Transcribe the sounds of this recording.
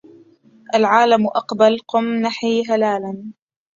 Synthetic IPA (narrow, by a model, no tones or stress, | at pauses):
ʔalʕaːlamʔɑqbalqʊmnaħiːɦalaːlan